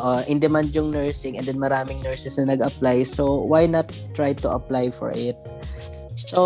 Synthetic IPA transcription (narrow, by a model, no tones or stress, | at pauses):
ʔʔoʔɪnd̪ɛmand͡ʒʊŋnɛɹsɪŋʔɛ̰nd̪ɛnmɐɾaːmɪŋnɛɹsɛsnɐnɐɡɐplajsowajnɐt̪ː | ɹajt̪ʊʔɐ̰plajfɔ̰ɹʔɪt̪̚ | so